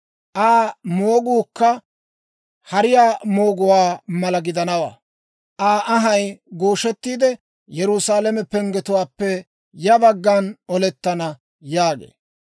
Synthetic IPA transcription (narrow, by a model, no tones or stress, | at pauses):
ʔaːmoːɡuːkːɐ | hɐɾɪjaːmo̞ːɡʊwaːmɐlɐɡɪd̪ɐnɐwa̰ː | ʔaːʔɐɦɐjɡoːʃɛt̪ːiːd̪ɛ | jɛɾʊsaːlɛmɛpɛŋɡɛt̪ʊwaːpːɛ | jɐbɐɡːaːnɔlɛt̪ːɐnɐ | jaːɡḛː